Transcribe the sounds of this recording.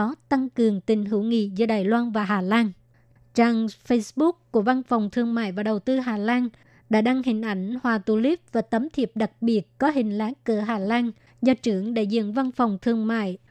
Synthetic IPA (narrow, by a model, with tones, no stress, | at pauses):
ɔ˨˦t̪a˧ŋkɨ˨˩əŋt̪ï˨˩ŋ̟ɦɨ̰˧˩wŋḭ˧˨zɨː˧ɗaː˨˩jlwaː˧nvaː˨˩ɦaː˨˩laː˧n | t͡ɕaː˧˩ŋfə˧jsɓʊ˦˥k̚ku˧˩əva˧nfɔ˨˩wŋ͡mt̪ʰɨ˧əŋma̰ː˧˨jvaː˨˩ɗə˨˩wt̪ɨ˧ɦaː˨˩laː˧n | ɗa̰ː˧˥ɗa˧ŋhï˨˩ŋ̟ʔa˧˩jŋ̟hwaː˨˩t̪u˧˩li˦˥p̚vaː˨˩t̪ə˨˦mt̪ʰi˨˩əp̚ɗa˨˩k̚ɓi˨˩ət̚kɔ˨˦ɦï˨˩ŋ̟laː˨˦kəː˧˩ɦaː˨˩laː˧n | zɔ˧t͡ɕɨ˧˩əŋɗḛ˧˩zḭ˧˨nva˧nfɔ˨˩wŋ͡mt̪ʰɨ˧˩əŋma̰ː˧˨j